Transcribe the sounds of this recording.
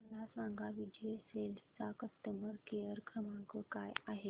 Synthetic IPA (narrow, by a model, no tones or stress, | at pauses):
əlasãŋɡʱaʋid͡ʑeselt͡sakəst̪əməɾkeəɾkʰɾəmãkəkajaɦe